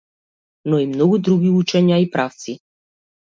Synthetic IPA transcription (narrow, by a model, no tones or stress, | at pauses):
nɔimnɔɡud̪ɾuɡiut͡ʃɛɲaipɾaft̪si